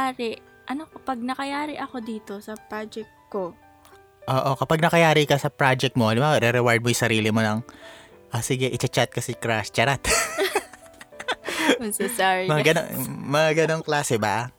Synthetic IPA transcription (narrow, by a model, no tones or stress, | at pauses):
aːɾɪ | ʔɐnokopɐɡ̚nɐkɐjaːɾɪʔɐko̞d̪iːt̪o̞sɐpɾad͡ʒɛk̚t̪̚ko | ʔoːʔo̞kɐpɐɡ̚nɐkɐjaːɾikɐsɐpɾad͡ʒɛk̚t̪moʔɐlɪmbaːoɾɛɾɛwaɹd̪̚mojʊsɐɾiːlɪmonɐŋ | ʔasɪɡɛʔɪt͡ʃɐt͡ʃat̪̚kɐsɛkɾast͡ʃɐɾat̪ | sɛsaɹimɐɡɐno̰mɐaɡɐnoŋklaːsɛbɐ